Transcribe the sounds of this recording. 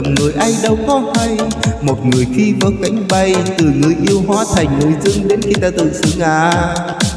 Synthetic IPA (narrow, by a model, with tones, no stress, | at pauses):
ŋ͡mŋɨ˨˩əjʔa˧jɗə˧wkɔ˨˦ha˧jmo˨˩t̚ŋɨ˨˩əjxi˧vəː˨˦ka˨˦jŋ̟ɓa˧jt̪ɨ˨˩ŋɨ˨˧˩əjʔi˧əwɦwaː˨˦t̪ʰa˨˩jŋ̟no˨˦jzɨ̰˧əŋɗe˨˦nxi˧t̪aː˧t̪ɨ̰˧˨sɨ˨˧˦əŋʔaː˨˩